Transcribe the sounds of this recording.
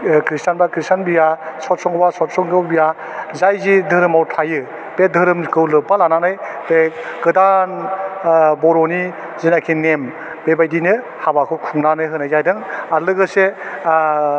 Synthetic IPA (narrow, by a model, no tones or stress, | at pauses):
kɾistanbakɾistʰanbijasɔt̚sɔŋbasɔt̚sɔŋɡɯwbija | zajzidɯɾɯmawtʰajɯ | bedʱɯɾɯmkʰɯwlɯpalananɯjbeɡɯdan | bɔɾɔni | zinakʰinem | bebajdinɯ | habakʰɯkʰuŋnanɯjɦɯnazajdɯŋaɾlɯɡɯse